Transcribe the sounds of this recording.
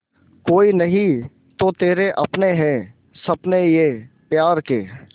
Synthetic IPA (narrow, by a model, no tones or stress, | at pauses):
koːinɐɦĩ | t̪ot̪eːɾeʔɐpneɦɛ̃ː | sɐpnejeː | pjaːɾkeː